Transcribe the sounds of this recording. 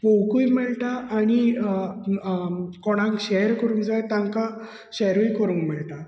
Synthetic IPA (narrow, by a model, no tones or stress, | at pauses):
powkujmɛɭʈaʔːɽ̃i | kɔɽ̃ãŋkɕɛjɾkəɾũŋɡd͡zajt̪ãŋka | ɕɛjɾujkəɾuːŋɡmɛɭʈ̪a